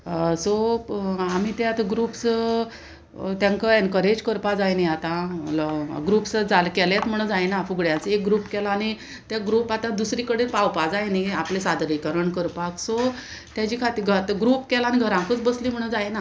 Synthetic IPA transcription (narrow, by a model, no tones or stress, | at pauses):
so | amit̪eat̪aɡɾuːps | t̪jãŋkəɛnkəɾed͡ʑkəɾpad͡zajniat̪ãlɡɾupsd͡zalkɛlet͡s̪m̤əɽ̃ũd͡zajnafuɡɽjãt͡sek̚ɡɾupkɛlaːñi | t̪jaɡɾuːpat̪ãd̪usɾikəɽelpawpad͡zajniaplesad̪ɾikəɾəɳkəɾpakso | t̪jat͡ɕikʰat̪iːɾɡʱət̪ɡɾuːpkɛlaniɡʱəɾãŋkət͡sbəsliːm̤əɽ̃ũd͡zajna